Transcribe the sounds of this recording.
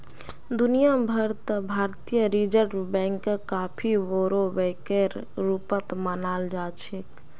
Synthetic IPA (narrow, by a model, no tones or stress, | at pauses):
d̪unijabʱəɾt̪əbʱaɾt̪ijəɾid͡ʒəɾɖbɛ̃ŋkkapʰiʋoɾobekeɾ | ɾupət̪mənald͡ʒat͡ʃʰek